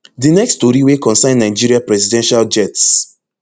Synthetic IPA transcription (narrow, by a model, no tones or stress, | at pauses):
dinɛksttoɾiwekɔ̃nsãɪ̃nːnãɪd͡ʒiɾiapɹɛzidɛ̃nʃald͡ʒɛts